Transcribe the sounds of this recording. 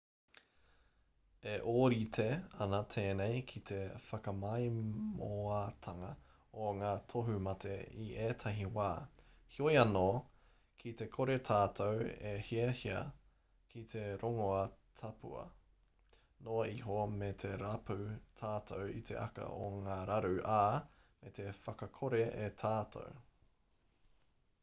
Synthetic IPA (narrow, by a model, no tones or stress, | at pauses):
eʔoːɾit̪ʰeɐnɐt̪ʰeːnejkʰit̪ʰe̞fɐkɐmɐjmoat̪ʰɐŋɐ | oŋaːtʰoɦumɐtʰḛiʔeːtʰɐɦiwaː | hiojɐno | kʰit̪e̞kʰoɾet̪ʰaːt̪ʰowehiɐhiɐ̰ | kʰit̪ʰeɾoŋoɐtʰɐpʰṵɐ̰ | noiɦomet̪ʰe̞ɾɐpʰut̪ʰaːtʰowḭt̪ʰḛʔɐ̰kɐ̰ʔo̰ŋaːɾɐɾʉʔaː | met̪efɐkɐkʰoɾeet̪ʰaːtʰo̰w